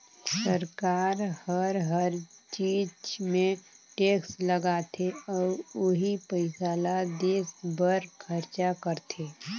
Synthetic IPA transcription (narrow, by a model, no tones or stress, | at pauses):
səɾkaːɾhəɾɦəɾt͡ʃiːd͡ʒmẽʈeːksləɡaːt̪ʰeɔːɾʊɦipəɪsaːlad̪eːsbəɾkʰəɾt͡ʃakəɾt̪ʰeː